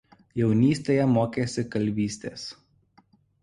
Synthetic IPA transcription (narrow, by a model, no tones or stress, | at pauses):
jɛʊnʲiːsʲt̪ʲeːjɛmoːkʲeːsʲɪkɐlʲʋʲiːsʲt̪ʲḛːs